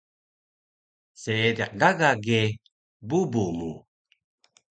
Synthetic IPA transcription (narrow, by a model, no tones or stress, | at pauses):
seːdiq̚ɡaɡaɡe | bubumu